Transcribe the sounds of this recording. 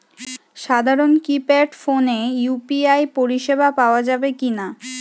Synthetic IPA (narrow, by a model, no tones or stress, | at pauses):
ʃad̪ʱaɾonkipɛʈfonejupiajpoɾiʃebʱapaoad͡ʑabekina